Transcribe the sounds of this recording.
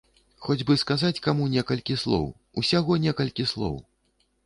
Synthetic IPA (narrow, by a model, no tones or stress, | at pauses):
xɔd͡zʲbɨskazat͡sʲkamunʲɛkɐlʲkʲislˠɔ̰w | usʲaɣɔnʲɛkɐlʲkʲislˠɔ̰w